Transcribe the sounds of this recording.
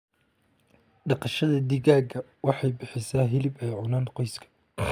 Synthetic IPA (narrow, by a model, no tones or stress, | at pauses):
ɖɑqɑʃɐðɐd̪ɪɣaːɡɐ | wɑħɑjbɪħɪsaːɦɪlɪbɛjʕʊnaːnqɔjskʰɐ̥